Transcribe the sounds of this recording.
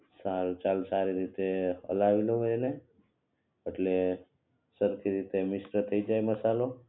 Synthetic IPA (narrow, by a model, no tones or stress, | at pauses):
salt͡ʃalsaɾiɾit̪eə̰laʋiloɦoene | pəʈʰle | səɾkʰiɾit̪emisʈət̪ʰəid͡ʒajməsalo